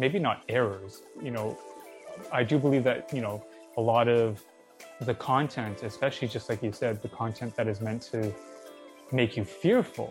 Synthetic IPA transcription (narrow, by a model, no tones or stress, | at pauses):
meɪbinəɾɛɹə˞z̥jɨnoʊʌaɪdɨbəlivðɨt̚jɨnoʊ | əlɔɾʌv | ðɨkʰɑ̃ntʰɛ̃ntʰɨspɛʃl̩ˠid͡ʒʌst̚ˡlaɪkjɨsɛd̪̚ðɨkʰɑ̃ntʰɛ̃nðɨɾɨzmɛ̃ntʰɨ | meɪkʰjɨfɪɹfl̩ˠ